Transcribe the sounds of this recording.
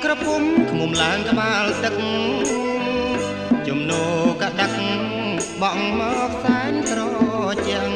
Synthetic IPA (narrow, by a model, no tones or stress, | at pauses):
krɔpumkʰmumlaəŋkʰmaːlt̪ɨk̚ŋ | t͡ɕumnoːkaɗak̚ŋ | ɓɑŋmɔːk̚saɛɲkrɔːt͡ɕɛ̆ŋ